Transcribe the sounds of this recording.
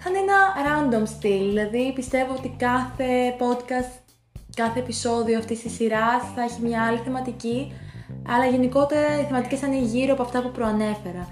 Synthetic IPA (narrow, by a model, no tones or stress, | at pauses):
xɐne̞nɐɾɐnd̪o̞mst̪ilðilɐðipist̪e̞voot̪ikɐθe̞po̞d̪kɐst̪ | kɐθe̞ːpiso̞ðioɐft̪ist̪isiɾɐsθɐeçimɲɐɐliθe̞mɐt̪ici | ɐlɐʝe̞niko̞t̪e̞ɾɐiθemɐt̪icesɐneʝiɾoɐpo̞ɐft̪ɐpupɾoɐne̞fe̞ɾɐ